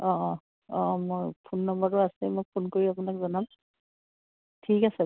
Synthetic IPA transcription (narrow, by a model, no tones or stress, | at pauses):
ɔ̃ | ɔ̃mojpʰunːɔmbɔtɔasɛmojpʰunkoɹiap̬ʊnakzɔnam | tʰikasɛ